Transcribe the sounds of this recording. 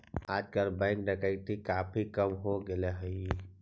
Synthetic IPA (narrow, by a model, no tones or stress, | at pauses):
aːd͡ʒkəlbãɪknəkəit̪ʰikaːpʰikəmɦoɡeleɦəi